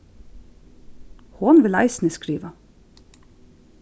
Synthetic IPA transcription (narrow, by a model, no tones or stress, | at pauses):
hoːnʋɪlæ̰ɪsnəskɾiːʋə